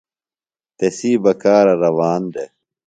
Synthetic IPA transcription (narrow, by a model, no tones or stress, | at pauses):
t̪esiːbɐkaːɾɐɾɐwaːnd̪e